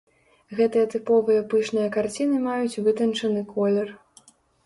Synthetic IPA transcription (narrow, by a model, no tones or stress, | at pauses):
ɣɛt̪ɨjɐt̪ɨpɔvɨjɐpɨʂnɨjɐkart͡sʲinɨmajut͡sʲvɨt̪ɐnt͡ʂɐnɨkɔlʲɛr